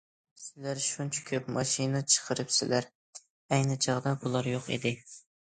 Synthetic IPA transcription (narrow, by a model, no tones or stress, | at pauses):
sɪlæɾʃunt͡ʃʰḁkʲʰøpmɑʃinɨt͡ʃʰə̥qʰəɾɨpsɪlæɾ | æjnɨt͡ʃʰɑʁd̪ɑbulˠɑɾjoqḛd̪ɪ